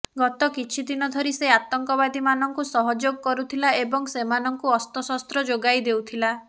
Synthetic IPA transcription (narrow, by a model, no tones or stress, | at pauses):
ɡɔt̪ɔkit͡ʃʰid̪inɔd̪ʱɔɾiseat̪ɔŋkɔβad̪imanɔŋkusɔɦɔd͡ʒoɡɔkɔɾut̪ʰilaebɔŋsemanɔŋkuɔst̪ɔsɔst̪ɾɔd͡ʒoɡajd̪ewt̪ʰila